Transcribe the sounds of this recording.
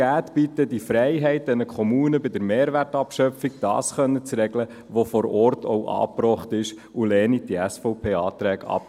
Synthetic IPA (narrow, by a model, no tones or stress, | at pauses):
æːtb̥it̪ːədifɾɛɪɦɛɪt̚d̥ɛnəkʰɔmuːnəbɪdəɾmeːɾʋærtɑpʃœfiɡ̚d̥ɑ̰ːsχœnːət͡sɾɛɡlə | ʋofɔɾɔɾtʰowʔɑ̰ːpɾɔχtɪʃ | ulɛːnid̥iɛsfɔʊpʰeːɑːt̪ɾɛːɡɑ̰p